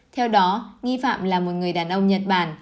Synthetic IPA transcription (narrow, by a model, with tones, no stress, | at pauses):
t̪ʰɛ˧wɗɔ˨˦ŋi˧fa̰ː˧˨mlaː˨˩mo˨˩t̚ŋɨ˨˩əjɗaː˨˩nʔə˧wŋ͡mɲə˨˩t̚ɓaː˧˨˩n